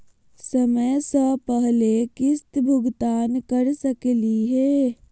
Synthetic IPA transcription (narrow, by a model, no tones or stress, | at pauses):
sɐməjsapəɦlekɪst̪bʱʊɡt̪aːnkɐɾsɐkliɦɛː